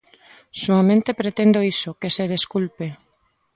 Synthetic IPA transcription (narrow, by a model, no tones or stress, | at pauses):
suamẽnt̪epɾet̪end̪oisokeseðeskulpe